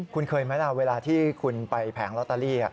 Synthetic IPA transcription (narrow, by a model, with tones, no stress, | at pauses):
kʰu˧nkʰɤː˧jma˦˥la˦˧˩weː˧laː˧t̪ʰiː˥˩kʰu˧npa˧jpʰɛː˩˦ŋlɔ˦˥t̪aː˧liː˥˩a̰˨˩ʔ